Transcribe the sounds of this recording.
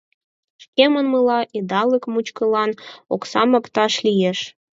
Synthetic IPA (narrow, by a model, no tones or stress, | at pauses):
ʃkemənməlɑʔid̪ɑləkmut͡ɕkəlɑnoksɑmɤkt̪ɑʃlijeʃ